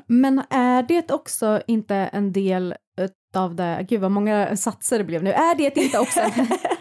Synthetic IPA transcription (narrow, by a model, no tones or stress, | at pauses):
mɛnæɖɛːt̪ɔksɔɪnt̪əʔɛ̰nd̪eːl | ʉ̟t̪ɑvd̪ɛ̰ɡʉ̟ːd̪vaɾmɔŋːasat̪səɖɛblɛːvnʉ̟ːʔæɖɛt̪ɪnt̪əɔksɔ